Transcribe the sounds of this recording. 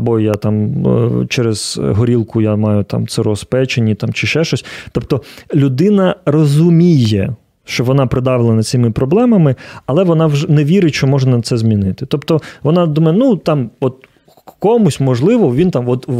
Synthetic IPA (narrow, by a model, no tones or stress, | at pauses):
ɐbɔjat̪ɑmt͡ʃɛɾez̥ɦɔɾʲilˠkʊjamɑjʊt̪ɑ̰mt̪seɾɔspɛt͡ʃenʲːit̪ɑmt͡ʃɪʃɛʃt͡ʃɔsʲt̪ɔp̚t̪ɔlʲʊd̪ɪnɐrɔzʊmʲijɛ | ʃt͡ʃɔʋɔnɑpɾɪd̪ɑʋɪlˠɐnɐt͡sʲɪmɪpɾɔblˠɛmɐmɪɐlˠɛʋɔnɑwʒɛnɛʋʲiɾɪt͡ʃɔmɔʒnɐt̪sɛzmʲinɪt̪ɪ̥t̪ɔpt̪ɔʋɔnɑd̪umɐjnut̪ɑmɔt̪ | kɔmʊsʲmɔʒlˠɪʋɔʋʲint̪ɑmɔt̪